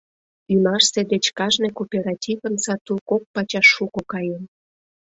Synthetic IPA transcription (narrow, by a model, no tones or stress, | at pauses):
ynɑʃsed̪et͡ɕkɑʒnekopʲeɾɑtʲivə̆nsɑt̪ulkok̚pɑt͡ɕɑʃːukokɑjen